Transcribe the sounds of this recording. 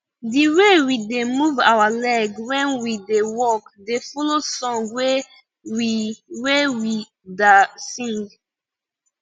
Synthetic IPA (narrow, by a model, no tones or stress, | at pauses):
diwewidemuva̰walɛɡwɛ̃nwidewɔkdefɔlosɔ̃ŋɡwe | wiwewi | dasĩŋɡ